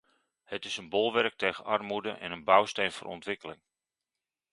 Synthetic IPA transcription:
hətɪsənbɔlˠʋɛrk̚tejɣənɑrmudəʔɛ̰nənbawstejnvo̰ːrɔ̰ntʋɪkəlɪŋ

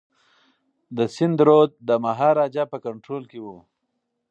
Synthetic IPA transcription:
d̪əsɪnd̪ɾod̪̚d̪əmaɦɑɾɑd͡ʒapəkaɳʈɾolkewu

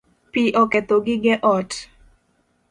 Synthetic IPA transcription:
piʔɔkɛt̪oɡɪɡɛʔɔt

